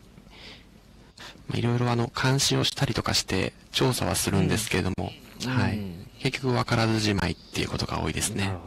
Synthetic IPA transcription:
ma̰ḭɾo̞iɾo̞ano̞kʰãɰ̃ɕio̞ɕi̥t̪aɾʲit̪o̞kaɕi̥t̪e̞̰ | t͡ɕo̞ːsa̰βa̰sɨɾɯ̟̃nd̪e̞sɨ̥ke̞e̞d̪o̞mo̞̰haike̞kʲːo̞kɯ̟βakaɾazɨʑima̰it̪ːe̞jiɯ̟ko̞t̪o̞ɡ̥a̰o̞ːid̪e̞sɨne̞

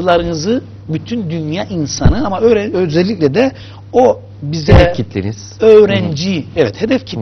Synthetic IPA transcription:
ɯlˠaɾɯnɯzɯ | byt̪ʰynd̪ynjaːʔinsanɯamaøɾɛøzɛlʲːicʲlʲɛd̪ɛ | o | bizɛɛcʰit̪ʰːḭniz̥ø̞ːɾɛnd͡ʒiɛvɛt̪hed̪ɛfcʰit̪

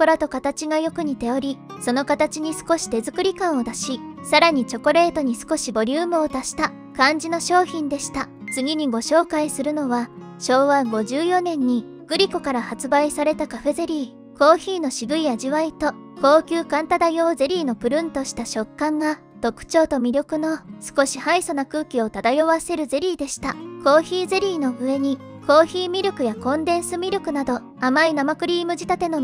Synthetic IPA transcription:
poɾat̪o̞kat̪at͡ɕiɡajo̞kɯ̟ɲ̟it̪e̞o̞ɾʲiso̞no̞kat̪at͡ɕiɲ̟isɨ̥ko̞ɕi̥t̪e̞zɨkɯ̟ɾʲikãɰ̃o̞d̪aɕisaɾaɲ̟it͡ɕo̞ko̞ɾe̞ːt̪o̞ɲ̟isɨ̥ko̞ɕibo̞ɾʲɨːmɯ̟o̞d̪aɕi̥t̪a | kãɲ̟d͡ʑino̞ɕo̞ːçĩnd̪eɕi̥t̪at͡sɨɡʲiɲ̟iɡo̞ɕo̞ːkaisɨɾɯ̟no̞βa | ɕo̞ːβaɡo̞ʑɨːjo̞nẽ̞ɲ̟ːi | ɡ̥ɯ̟ɾʲiko̞kaɾahat͡sɨbaisaɾe̞t̪akaɸe̞ze̞ɾʲiː | ko̞ːçiːno̞ɕiɡɯ̟iaʑiβait̪o̞ | ko̞ːkʲɨːkãnt̪ad̪ajo̞ːze̞ɾʲiːno̞pɯ̟ɾɯ̟̃nt̪o̞ɕi̥t̪aɕo̞kːãŋɡa | t̪o̞kɯ̟̥t͡ɕo̞ːt̪o̞mʲiɾʲo̞kɯ̟no̞sɨ̥ko̞ɕihaiso̞nakɯ̟ːkʲio̞t̪ad̪ajoβase̞ɾɯ̟ze̞ɾʲiːd̪e̞ɕi̥t̪ako̞ːçiːze̞ɾʲiːno̞ɯ̟e̞ɲ̟i | ko̞ːçiːmʲiɾʲo̞kɯ̟jakõ̞nd̪ẽ̞ɰ̃sɨmʲiɾʲo̞kɯ̟nad̪o̞ | amainamakɯ̟ɾʲiːmɯ̟ʑit̪at̪e̞no̞

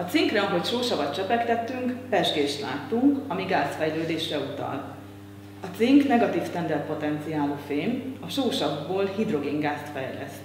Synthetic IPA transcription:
ɒt̪siŋkrɛɒɦo̞cʃoːʃɒbɒt̪t͡ʃɛpɛkt̪ɛt̪ːyŋkpɛʒɡeːʃt̪la̰ːt̪uŋkɒmiɡaːst̪fɛjløːd̪eːʃrɛut̪ɒ̰l | ɒt̪siŋknɛɡɒt̪iːft̪ɛnd̪ɛrt̪̚po̞t̪ɛnt̪sijaːloːfeːmɒʃoːʃɒbːoːlhid̪ro̞ɡiŋɡaːst̪fɛ̰jlɛ̰s

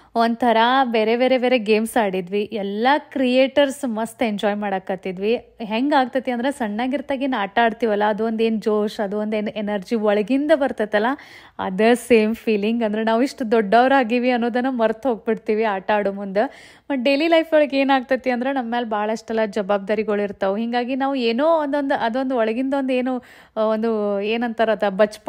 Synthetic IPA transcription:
ond̪t̪ʰɐɾɐbe̞ːɾebe̞ːɾe̞be̞ːɾe̞ɡe̞ːmsaːɽid̪ʋiʔɛlːɐkɾijeːʈɐɾsmɐst̪eɲd͡ʒɔːjmaːɽakːat̪id̪ʋi | ɦeŋɡaːɡt̪ɐt̪ːiɐnd̪ɐɾesɐɳːaːɡiɾt̪aːɡeːnaːʈaːɖt̪iːʋɐlːɐːd̪uʋond̪e̞ːnd͡ʒoːʃɐd̪uond̪enenɐɾd͡ʒiɔɭɐɡind̪ɐbɐɾt̪ɐt̪ːɐlːɐ | ɐ̰d̪ɐseːmpʰiːliŋɡɐnd̪ɐɾenaːʋiʂʈud̪ɔɖːɐːʋɐɾaːɡiːʋiɐnːoːd̪ɐnːumɐɾt̪ɦoːɡ̚biɽt̪iːʋiaːʈaːɽumund̪e | bɐʈ̚ɖe̞ːlilɐjpʰɔɭɐɡe̞ːnaːɡ̚t̪ɐt̪ːiɐnd̪ɾe̞nɐmːeːlbaːɐɭɐiʂʈɛlːɐd͡ʒɐbaːb̚d̪aːɾiɡɐɭiɾt̪ɐʋuɦiŋɡaːɡinaːʋueːnoːɐnd̪ond̪uʔɐd̪ond̪uɔɭɐɡind̪ɐond̪eːnu | ond̪ueːnɐnt̪ɐɾɐt̪ɐbɐt͡ʃp

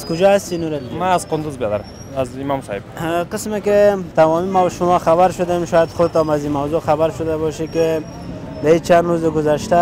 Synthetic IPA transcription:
azkʊd͡ʒɔast̪inuɾalmaːzqʊnd̪uzbjɔd̪aɾam | azimɔmsɔheb̚qɪsmekɪt̪amɔmimawʃʊmɔxaβaɾʃʊd̪emʃɔjad̪xʊd̪ɪt̪ɔmazimawzoxabaɾʃʊd̪abɔʃikɪ | d̪ait͡ʃanɾozɪɡʊzaʃt̪a

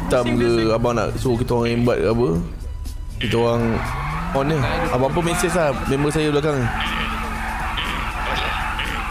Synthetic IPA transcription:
t̪amɡəabaŋna̰ʔsukit̪waŋimbat̪̚kabə | kit̪əwaŋ | ɔnːəabaŋp̬əmesɛs̬lamembəs̬ajəblak̬aŋi

